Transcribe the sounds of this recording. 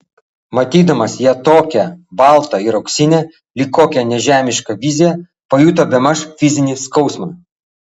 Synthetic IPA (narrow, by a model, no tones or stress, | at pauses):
mɐt̪ʲiːd̪ɐmɐsjɛt̪oːkʲɛbɑˑlˠt̪ɐɪɾɐʊksʲɪnʲɛ | lʲiːkoːkʲɛnʲɛʒʲæːmʲɪʃkɐʋʲɪzʲɪjɛ | pɐjuːt̪̬ɐbʲɛmɐʃfʲɪzʲɪnʲiːskɒʊsmɐ